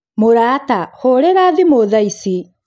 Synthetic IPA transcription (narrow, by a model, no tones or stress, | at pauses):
moɾaːtahoɾɛɾaːðimoðaisi